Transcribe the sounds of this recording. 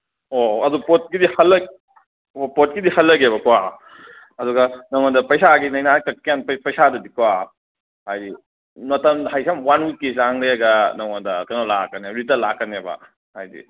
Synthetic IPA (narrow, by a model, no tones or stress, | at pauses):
oɐdupot̚kidihɐlːɐɡ | opot̚kidihɐlːɐɡebɐkwa | ɐdɔɡɐnɐŋandɐpɐjsaɡinɐjnakɐk̚ːijanppɐjsadɐdikwa | hajdi | nɔtɐnhajsamwanwikes̬aŋɾeɐɡɐnɐŋandɐkɐnolakːɐneɾitɐlakːɐnebɐ̰ | hajdḭ